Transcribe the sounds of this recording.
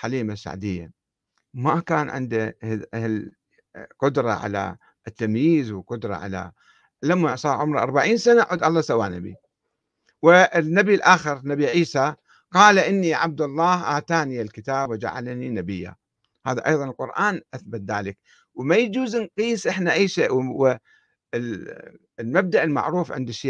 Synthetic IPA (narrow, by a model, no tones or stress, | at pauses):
ħaliːmasːa̰ʕd̪ɪjːa̰ | makaːnʕɪ̰nd̪ahl | qʊd̪ɾˤɑ̰ʕa̰la̰ | t̪ːamjiːzwɪqʊd̪ɾˤɑ̰ʕa̰la̰ | lamːaʕsˤɑːʕʊmɾˤʔɑ̰ɾˤbaʕiːnsanaʔʕʊd̪ʔɑlˤːɑsawaːna̰bḭ | wɪnːabilʔaːxɪɾnabiʕiːsa | qɑːlʔɪnːiʕab̚d̪ɑlˤːɑːhʔaːt̪aːnialkɪt̪aːbwɪd͡ʒa̰ʕa̰lninabɪjːa̰ | ha̰ːðaʔɑjðˤɑnɪlqʊɾʔaːnʔaθbat̪̚ðaːlɪk | wmajd͡ʒuːznqiːsʔɪħnaʔajːʃeːʔwwɪ | lmab̚d̪aʔɪlma̰ʕɾuːfʕɪ̰nd̪ɪʃiː